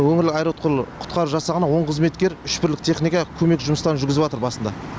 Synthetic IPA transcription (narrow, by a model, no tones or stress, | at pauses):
wɵŋɪɾlɪkɑjɾot̪̚qʰəlˠqʰʊ̥t̪̚qɑɾuʒɑsɑʁənɑwo̞ɴqʰəzme̞t̪kʲe̞ɾʏʃpɪɾlɪk̚t̪ʰe̞χnijkɑkʲʰɵme̞kʒʊməst̪ɑnʒʏɾɡʲɪzɪpwɑt̪əɾbɑsənd̪ɑ̰